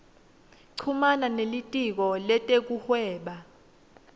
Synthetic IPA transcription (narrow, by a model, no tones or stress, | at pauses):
ǀʰumananelitʼik̬ɔlɛtʼek̬uhwɛːɓa